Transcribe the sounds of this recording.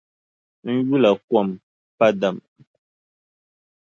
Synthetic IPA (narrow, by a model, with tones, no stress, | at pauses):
n̩˦ju˦la˨kwɔ˦˨m | pa˦da˨m